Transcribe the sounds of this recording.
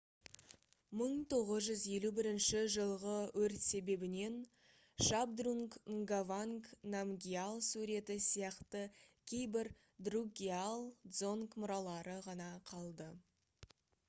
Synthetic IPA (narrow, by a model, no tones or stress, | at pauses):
məɴt̪ʰo̞ʁəzʒʏzje̞lubɪɾɪnʃɪʒəlˠʁəwɵɾt̪se̞be̞bɪne̞n | ʃab̚d̪ruŋkŋɡavaŋknamɡʲialˠsuɾe̞t̪ɪsijɑqt̪əkʲʰe̞jbɪɾ | d̪ruɡʲialˠd̪zo̞ŋkmʊɾɑlˠɑɾəʁɑnɑqʰɑlˠd̪ə